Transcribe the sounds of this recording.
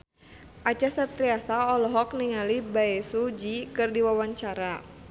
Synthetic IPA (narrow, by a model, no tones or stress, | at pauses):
ʔat͡ʃasat̪ɾiasaɔlɔɦɔk̚niŋalibaɛsud͡ʒikɨrdiwawaɲt͡ʃaɾa